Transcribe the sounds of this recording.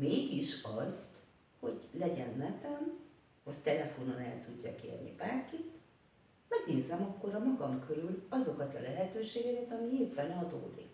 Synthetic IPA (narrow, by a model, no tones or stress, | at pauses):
meːɡiʃɒzt̪ | ho̞ɟlɛɟɛ̰nːɛt̪ɛm | vɒct̪ɛlɛfo̞nonɛlt̪uɟːɒ̰kḛːrnḭbaːrkit̪ | mɛɡneːzɛmɒkːo̞ɾɒmɒɡɒmkʰøɾylɒzo̞kɒt̪ɒlɛɦɛt̪øːʃeːɡɛkɛt̪ɒmieːpːɛnɒd̪o̰ːd̪ḭk